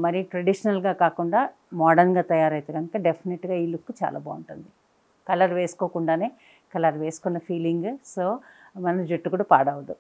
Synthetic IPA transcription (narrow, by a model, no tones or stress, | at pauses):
mɐɾiʈɾɐɖiʂɐnɐlɡaːkaːkuɳɖaː | maːɖɐɾnɡaːt̪ɐjaːɾɐjt̪eːɡɐnukɐɖepʰineʈɡaːilukːut͡ʃa̰ːlʔɐ̰boːuɳʈund̪i | kɐlɐɾʋe̞ːsu̥ko̞ːkuɳɖaːne̞ː | kɐlɐɾʋe̞ːsu̥kunːɐpʰiːliŋɡsoːmɐnɐd͡ʒuʈːukuːɽɐpaːɽɐʋd̪u